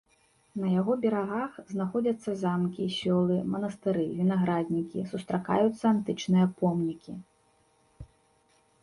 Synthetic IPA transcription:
nɐjaɣɔbʲɛɾaɣaxznaxɔd͡zʲɐt̪sːɐzamkʲisʲɔlˠɨmɐnɐst̪ɨɾɨvʲinaɣɾad̪ʲnʲikʲḭsust̪ɾaka̰jut̪sːɐant̪ɨt͡ʂnɨjɐpɔmnʲikʲi

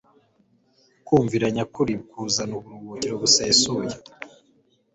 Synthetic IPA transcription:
kuːɱviɾaɲakuɾib̚kuzanuβuɾuɡociɾoβuseːsuja

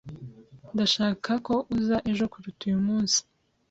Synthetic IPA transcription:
ndaʃaːkʰako̞ʔuzaʔe̞ʒo̞kuɾutujumuːnsi̥

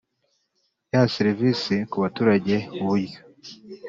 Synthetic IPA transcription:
jaaseɾivisikuβatuːɾaɟe̞uβuɾo

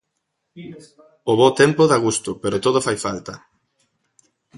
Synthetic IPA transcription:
oβot̪empoðaɣ̞ust̪ʊpeɾot̪oðofajfalt̪ɐ

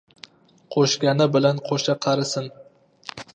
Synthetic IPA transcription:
qʰoʃkʲanɪbɪlanqʰoʃaqʰɑɾɪsɪn

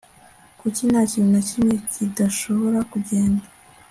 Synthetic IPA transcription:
kucinaciminacimɲecidaʃo̞βo̞ɾakuɟe̞ːnda

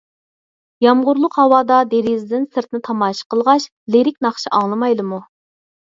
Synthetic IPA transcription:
jɑmʁʊɾlˠʊqhɑwɑːd̪ɑd̪eɾizd̪ɪnsɨɾt̪nɪt̪ʰɑmɑːʃə̥qʰəlˠʁɑʃ | leɾɪk̚ʲnɑχʃiʔɑŋlˠɨmɑjd̪ɨmu

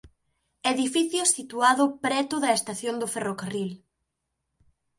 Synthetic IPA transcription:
eðifiθjʊsit̪uaðʊpɾɛt̪ʊðɐest̪aθjond̪ʊferokaril

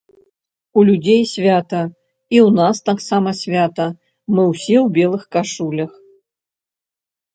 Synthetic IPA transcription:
ulʲudʲejsʲvʲat̪ɐ | iunast̪aksamɐsʲvʲat̪ɐ | mɨwsʲewbʲelˠɨxkaʂulʲɐx

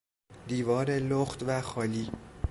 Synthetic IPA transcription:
d̪iːvɒːɾeloxt̪væxɒːliː

